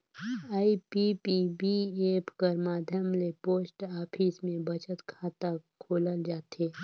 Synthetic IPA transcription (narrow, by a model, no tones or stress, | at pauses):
aːipipibieːpʰkəɾmaːd̪ʱjəmlepoːsʈaːpʰismẽbɐt͡ʃət̪kʰaːt̪akʰoːləld͡ʒaːt̪eː